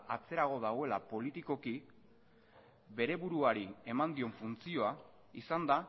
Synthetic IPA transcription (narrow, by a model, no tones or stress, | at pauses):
at͡se̞ɾaɣ̞o̞ð̞aɣwe̞lapo̞lit̪iko̞ki | be̞ɾe̞βuɾuaɾie̞mand̪io̞ɱfunt͡sio̞a | isand̪a